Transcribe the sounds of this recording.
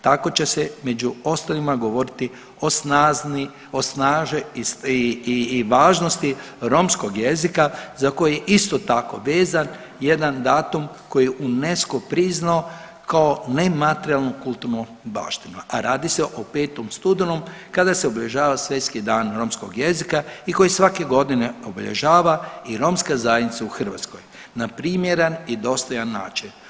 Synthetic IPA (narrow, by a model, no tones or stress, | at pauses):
t̪ako̞t͡ɕe̞seme̞d͡ʒuo̞st̪alimaɡo̞ʋo̞ɾit̪i | o̞snazni | osnaːʒeisː | ʋaːʒnost̪i | ɾo̞msko̞ɡje̞zikazako̞jijeʔist̪o̞t̪ako̞ʋeːzan | je̞d̪and̪aːt̪um | ko̞jijeʔune̞skopɾiznao | kao̞ne̞mat̪eɾialˠnukulˠt̪uɾnu | ba̰ːʃt̪inuʔaɾʔaːd̪iseʔope̞ːt̪omst̪ud̪enumkad̪aseobeʎʲe̞ʒaːʋasʋʲje̞t̪skid̪aːnɾo̞msko̰ɡjezikaiko̞jisʋake̞ɡo̞d̪ineobeʎḛʒaːʋaiɾo̞mskazajed̪nit̪sauxr̩ʋat̪sko̞̰j | napɾiːmjeɾanid̪o̞st̪ojanːa̰ːt͡ʃen